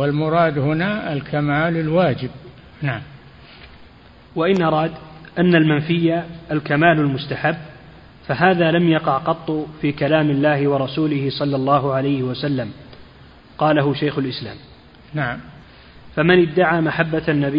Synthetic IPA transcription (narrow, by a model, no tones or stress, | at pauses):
walmʊɾˤɑːd̪hʊnaalkʰamaːlalwaːd͡ʒɪb̚ | naʕam | waʔɪnʔɑɾˤɑːd̪ʔanːalmanfɪjːaʔːlkamaːlalmʊst̪aħabː | faɦaːðaːlamjɑqɑʕqɑt̪ˤːʊfiːkalaːmɪlːaːhɪwɑɾˤɑsuːlɪhɪsˤɑlːɑlˤːɑːɦʊʕalajhɪwasalːam | qɑːlaɦʊʃajxʊlʔɪsla̰ːm | naʕam | famɪnɪd̪ːaʕaːmaħabːaanːabɪ